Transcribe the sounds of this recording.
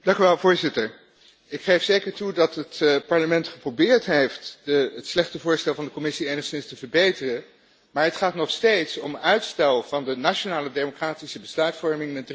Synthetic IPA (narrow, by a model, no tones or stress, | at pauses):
dɑŋkyʋɛlˠvʊːɹzɪtəɹ | ɪkχejfsejkəɹtudɑtɦətpɑɹləmɛntχə̥prowbɪːɹtɦejftdəətslɛχtəvʊːɹstɛlˠvɑndəkɔmɪsiejnəχsɪnstəvəɹbejtərə | maːɹɦətχaːtnɔχstejtsɔmœɥtstɛlˠvɑndənaːt͡ʃonaːlədejmokraːtisəbəslœɥtfɔɹmɪŋnɛd